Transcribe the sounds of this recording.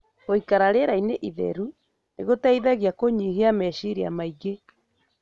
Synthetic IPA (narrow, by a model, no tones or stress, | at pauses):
ɣoikaɾaɾeɾaineʔiðɛ̰ɾu | neɣotaiðɛɣjakoɲiɣeamɛʃiɾia̰maiɡe